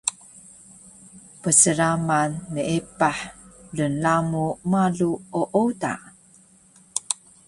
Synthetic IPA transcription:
pəsəɾamanːəʔipaħlənlamumaɮuoʔoda̰

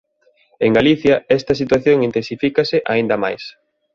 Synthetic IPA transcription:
eŋɡaliθjɐɛst̪ɐsit̪waθjoŋint̪ẽnsifikɐsɪʔaĩnd̪ɐma̰js

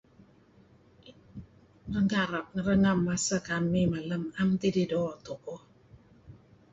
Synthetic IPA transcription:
ɾəŋaɾap̚ŋ̩ɾəŋamːasəkamːimaləmamtididɔatoko

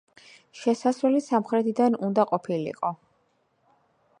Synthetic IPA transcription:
ʃɛsasɾulisamχɾɛt̪ʰid̪anund̪aqʼɔpʰilḭqʼɔ

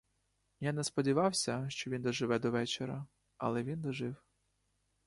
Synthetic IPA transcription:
janɛspɔdʲiʋɑwsʲɐʃt͡ʃɔʋʲind̪ɔʒɪʋɛd̪ɔʋɛt͡ʃeɾɐ | ɐ̰lˠɛʋʲind̪ɔʒɪw

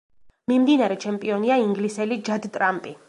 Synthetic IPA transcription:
mimd̪inaɾɛt͡ʃʰɛmpʼiɔniaiŋɡlisɛlid͡ʒad̪t̪ʼɾampʼi

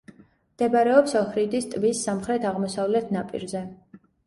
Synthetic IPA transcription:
md̪ɛbaɾɛɔpsɔlˠχɾid̪ist̪ʼvisːamχɾɛt̪ʰaʁmɔsavlɛt̪ʰnapʼḭɾzɛ

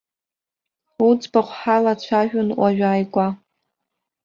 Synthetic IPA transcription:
ut͡sbaχʷħalat͡ɕʷʰaʒᶣʊnʔʷaʒᶣaːjɡʷʼa

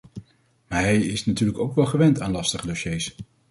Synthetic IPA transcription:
maːɹɦɛjɪsnatyːɹləkowkʋɛlˠχəʋɛntaːnlɑstəχədoʃejs

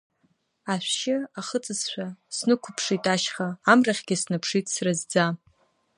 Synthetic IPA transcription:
aʃʷᶣʃɪaχət͡sʼɨzʃʷᶣasnɨkʷʰʊpʰʂitʼaʃχaːmraχʲɡʲɪsnɨpʰʂitʼsrɨzd͡za

